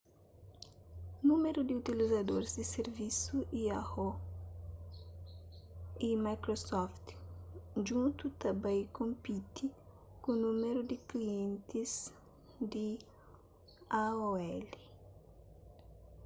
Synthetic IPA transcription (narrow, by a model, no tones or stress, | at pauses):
nũmeɾud̪iut̪ilizad̪oɾzd̪iseɾvisuʔiaho | imajkɾosɔft̪ | d͡ʒũnt̪ut̪abajkõmpit̪i | kũnũmeɾud̪ɪkliẽnt̪iz | d̪i | aoɛli